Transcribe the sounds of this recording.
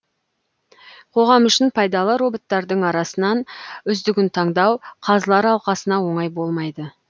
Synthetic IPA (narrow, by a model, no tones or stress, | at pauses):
qʰo̞ʁɑmʏʃɪnpʰɑjd̪ɑlˠəɾo̞bot̪ːɑɾd̪əɴɑɾɑsənɑnʏzd̪ɪɡʲɪnt̪ʰɑɴd̪ɑwqʰɑzəlˠɑɾɑlˠqɑsənɑwo̞ɴɑjbo̞lˠmɑjd̪ə